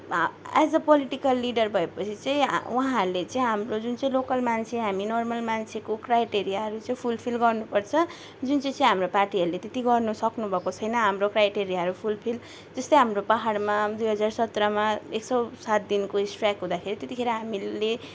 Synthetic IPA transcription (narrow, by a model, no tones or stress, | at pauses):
a̰d͡zʌpʌliʈikʌlːiɖʌrbʱʌepʌt͡sʰit͡sãḭ̃uɦãɦʌɾulet͡sãĩɦamrod͡zunt͡sʌ̃ĩlokʌlmant͡sʰeɦaminɔrmʌlmant͡sʰekokrajʈeɾijaɦʌɾut͡sãĩpʰulpʰilɡʌrnupʌrt͡sʰʌ | d͡zunt͡sʌ̃j̃t͡sʌ̃ĩɦamroparʈiʌɾulet̪et̪iɡʌrnusʌknubʱʌkot͡sʰʌjnʌɦamrokrajʈeɾijaɦʌɾupʰulpʰil | d͡zʌst̪ʌjɦamropaɦaɽmad̪ujɦʌd͡zarsʌt̪rʌmaeksʌwsat̪̚d̪inkoisʈrakɦũd̪akʰeɾit̪et̪ikʰeɾʌɦamile